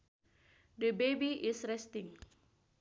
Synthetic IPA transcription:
dəbebiʔisɾɛst̪ɪŋ

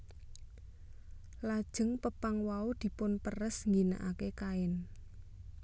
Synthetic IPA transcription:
lad̥ʒ̥ə̤ŋpəpaŋwaud̪̥i̤pʊnpərəsŋɡina̰ʔakekaɪn

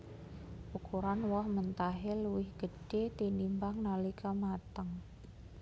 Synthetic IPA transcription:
ʔukuɾanwɔhmənt̪aɦeluwɪhɡ̥əɖ̥et̪inimbaŋnalikʰamat̪əŋ

